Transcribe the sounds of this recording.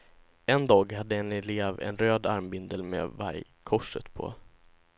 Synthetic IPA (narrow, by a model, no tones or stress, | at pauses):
ɛnd̪ɑːɡɦad̪ːəɛnɛleːvɛ̰nɾøːd̪aɾmbɪnd̪əlmḛːva̰ɾj | kʰɔʂːə̰t̪pʰɔ̰